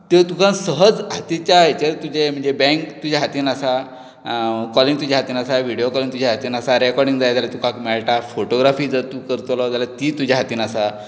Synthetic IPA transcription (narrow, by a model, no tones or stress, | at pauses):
t̪et̪ukʰãnsəɦəd͡zɦat̪it͡ɕjaɦet͡ɕet̪ud͡ʑem̤əɳd͡zebɛ̃ŋkt̪ud͡ʑaɦat̪iːnasa | kɔliŋɡt̪ud͡ʑaɦat̪iːnasaʋiɽijokɔlĩŋt̪ud͡ʑʱaɦat̪iːnasaɾɛkɔɾɖĩŋd͡zajd͡zaljat̪ukãkmɛɭʈafoʈoɡɾafiːd͡zat̪uːkəɾt̪lɔd͡zalat̪it̪ud͡ʑʱaɦat̪iːnasa